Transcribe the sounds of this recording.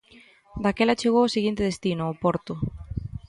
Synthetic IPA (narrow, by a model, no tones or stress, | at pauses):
d̪akelat͡ʃeɣ̞oosiɣint̪eð̞est̪inoopɔɾt̪ʊ